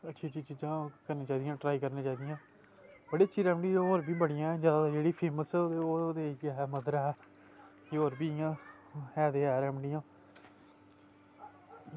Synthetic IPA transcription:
ətːʃʰiːt͡ʃiːt͡ʃiːd͡ʒãːkəɾneːt͡ʃaːd̪ijãːʈɾaːikəɾneːt͡ʃaːd̪ɪjãː | bəɽiːətːʃʰiːɾɛːmɖiːoːɾbiːbəɽɪjãːɛːd͡ʒəːd̪ad͡ʒeːɽiːpʰeːməst̪eoːod̪eːkɪɦɛːməd̪əɾɛː | eoːɾbiːɪjãː | ɦɛːd̪eːɛːɾɛːmɖijãː

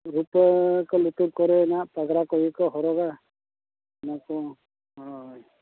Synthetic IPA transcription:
ɾupkɔlut̪ɔp̚kɔɾɛnapaɡɾakɔjikɔɦɔɾɔɡa | makɔ | ɦɔj

